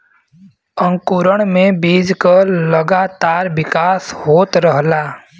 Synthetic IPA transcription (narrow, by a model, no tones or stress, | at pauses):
ə̃ŋkuɾəɽ̃mẽbiːd͡ʒkaləɡat̪aːɾʋɪkaːshoːt̪ɾəɦlaː